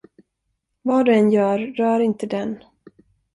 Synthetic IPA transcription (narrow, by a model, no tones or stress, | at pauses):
vɑːɖ̪ɵɛnjœːɾːœːɾɪnt̪əd̪ɛn